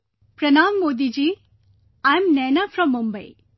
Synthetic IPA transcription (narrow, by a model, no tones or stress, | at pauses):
pɾɐnaːmːoːd̪id͡ʒiː | ãjmnɛːnafɾɔ̃mːumbɐj